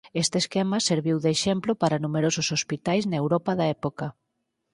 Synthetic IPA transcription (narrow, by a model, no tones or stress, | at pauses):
est̪eskemɐseɾβiwðeʃemplʊpaɾɐnumeɾosʊsospit̪ajznewɾɔpɐðaɛpokɐ